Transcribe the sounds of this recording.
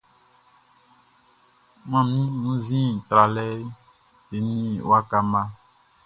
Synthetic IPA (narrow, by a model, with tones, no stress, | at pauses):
mã˦mĩ˦nũ˦zĩ˦˨t̪ɾa˨lɛ˦ | e˨nĩ˦wa˦ka˦mã˦